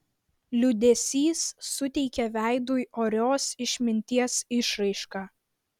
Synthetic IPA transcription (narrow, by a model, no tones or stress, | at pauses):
lʲʊd̪ʲɛsʲiːsːʊt̪ʲɛɪkʲɛʋʲæˑɪd̪ujoːɾʲoːsɪʃʲmʲɪnʲt̪ʲiɛsɪʃɾɐɪʃkɑː